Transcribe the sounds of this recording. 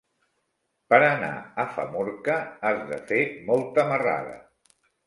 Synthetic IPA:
pəɾəna̰əfə̰mɔɾkəazðə̰femɔlˠt̪əməra̰ðə̰

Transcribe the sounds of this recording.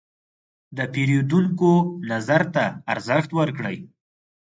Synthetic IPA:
d̪əpeɾed̪uŋkonazaɾt̪aːɾzəxt̪wəɾkɽə̰j

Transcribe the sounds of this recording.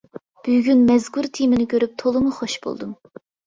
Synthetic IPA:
b̥yɡʲynmɛzɡuɾt̪ʰimɪnɪkʲʰøɾyp̚t̪ʰolˠɨmuχoʃbo̰lˠd̪um

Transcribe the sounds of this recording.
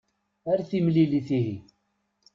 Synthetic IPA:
aɾaθimliliθiɦi

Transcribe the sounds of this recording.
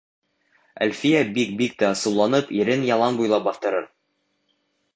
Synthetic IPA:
æ̰lfijæbik̚bik̚t̪æsɤ̆wlˠɑnɤpiɾɘnjɑlˠɑnbujlˠɑp̚bɑθt̪ɤ̆ɾɤɾ

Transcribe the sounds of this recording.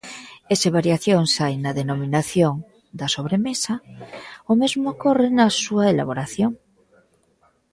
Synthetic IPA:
eseβ̞aɾjaθjoŋsajnaðenomĩnaθjoŋ | d̪asoβɾemesa | omezmokorenasuaela̰βoɾaθjoŋ

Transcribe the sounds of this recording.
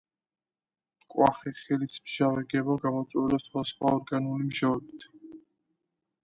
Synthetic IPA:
kʼwaχɛχɛlismʒavɛɡɛbaɡamɔt̪sʼwɛlɛswasχwaɔɾɡanulimʒaɛbit̪ʰ

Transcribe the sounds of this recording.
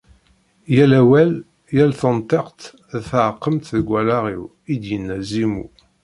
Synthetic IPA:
jælæwæl | jælθənt̪ˤeqt̪ | θəʕqːəmt̪ðɡʷːælaʁḭw | id̪jənːæzimṵ

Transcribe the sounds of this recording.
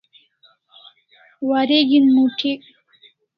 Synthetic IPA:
waɾeɡinmuʈʰik

